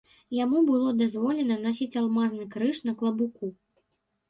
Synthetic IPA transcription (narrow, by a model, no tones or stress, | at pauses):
jamubɨlˠɔd̪azvɔlʲɛnɐnasʲit͡sʲalˠmaznɨkɾɨʂnɐklˠɐbuku